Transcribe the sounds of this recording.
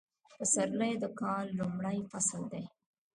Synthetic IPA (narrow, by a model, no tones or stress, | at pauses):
pəsaɾləjd̪əkɑlːumɽəjfasəld̪e